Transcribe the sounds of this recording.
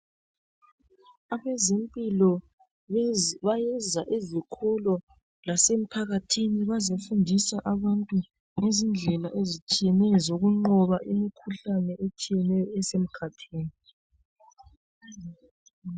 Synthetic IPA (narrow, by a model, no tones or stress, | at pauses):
aβɛzempʼilɔ | βajɛzaʔezikʰɔlɔ | lasem̩pʰaɣatʰiniβazefundʱisaʔaβantʼu | ŋezind͡ɮʱɛlaʔezit͡ʃʼijɛnɛjɔzoɣuŋ͡ǃɔβaʔimikʰuɬanɛʔet͡ʃʼijɛnɛjɔɛsem̩kʰatʰiːni